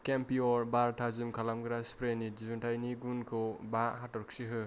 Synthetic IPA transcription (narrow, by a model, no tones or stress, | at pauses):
kempiɔɾbaɾtʰazimkʰalamɡɾaspɾenid͡ʒizuntʰajniɡunkʰobaɦatɔɾksiɦɯ